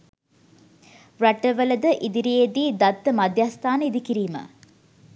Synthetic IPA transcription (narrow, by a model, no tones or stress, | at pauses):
ɾɐʈːəʋəlɐd̪əʔid̪iɾijed̪iːd̪ɐt̪ːəmɐd̪ʱjaːst̪ʰaːnəid̪ikiɾiːmə̰